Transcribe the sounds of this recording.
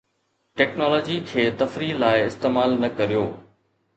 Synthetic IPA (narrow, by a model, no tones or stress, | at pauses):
ʈɛːknɔːlɔːd͡ʑikʰeːt̪ɐfɾilaːɪɪst̪eːmaːlnɐkɐɾijoː